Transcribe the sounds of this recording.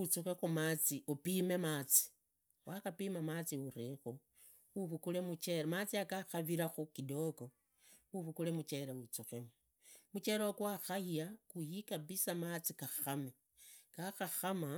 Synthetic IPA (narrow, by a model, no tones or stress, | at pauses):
ut͡suxexumat͡siupime̞maːt͡si̥ | wʔaxapimamat͡siuɾixu | uβukule̞mut͡ʃe̞ɾamat͡siakaxaβiɾaxukido̞ko̞ | uβukule̞mut͡ʃe̞ɾeut͡suxemu | mut͡ʃe̞ɾokwaxahiakujikaβisamat͡sikaxame | kaxaxama